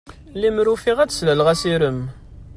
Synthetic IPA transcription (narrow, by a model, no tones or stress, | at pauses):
limɾufiʁæt͡sslælʁæsiɾəm